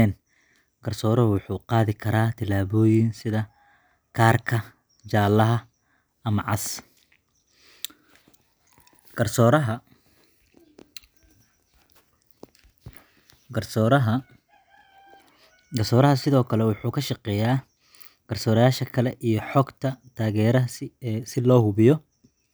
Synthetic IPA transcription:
ɛːn | ɡ̥ɐrsɔːɾɔwʊħuːqɑːðɪkʰɐɾaːt̪ʰɪlaːβɔːjɪnsɪðɐ | kʰaːrkʰɐ | t͡ʃaːlɐɦɐ | ɐmɐʕɑ̰s | ɐrsɔɾɦɐ | ɐɾɦ | ɡɐrsɔːɾɐɦɐsɪðɔːkʰɐlɛwʊħuːkʰɐʃɑqɛːjaː | ɡ̥ɐrsɔːɾɪjaːʃɐkʰɐlɛʔijɞħɔɡt̪ʰɐt̪ʰaːɣɛːɾɐɦsɪlɔːhʊβɪjɔ

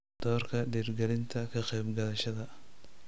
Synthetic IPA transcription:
d̪̥ɔːrkʰɐɖiːrɡɛlɪnt̪ʰɐkʰɐqɛjbɡɐðɐʃɐðɐ

